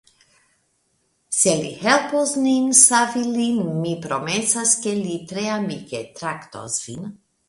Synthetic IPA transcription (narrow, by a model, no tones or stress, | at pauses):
selḭhɛlpozninsavilinmipɾomesaskelit̪ɾeamiket̪ɾakt̪o̰zvin